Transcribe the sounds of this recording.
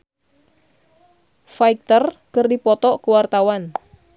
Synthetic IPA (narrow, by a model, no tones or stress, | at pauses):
faik̚t̪ərkərdipɔt̪ɔʔkəwart̪awan